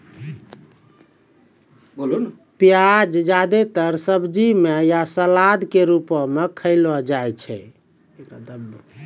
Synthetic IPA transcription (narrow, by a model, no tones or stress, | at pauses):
bolun | pjad͡ʒd͡ʒad̪et̪əɾsəbd͡ʒimejasəlad̪keɾupɔmekʰəɪlɔd͡ʒajt͡ʃʰɛ̰